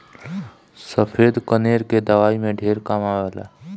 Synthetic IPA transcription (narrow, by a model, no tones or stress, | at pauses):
səpʰeːd̪kəneːɾked̪əʋaːimẽɖʱeːɾkamaːʋəːla̰ː